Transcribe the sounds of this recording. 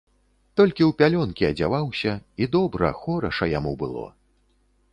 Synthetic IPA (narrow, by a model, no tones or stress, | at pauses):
t̪ɔlʲkʲiuwpʲalʲɔnkʲiɐd͡zʲavawsʲɐid̪ɔbɾɐ̰xɔɾɐʂɐjamubɨlˠɔ̰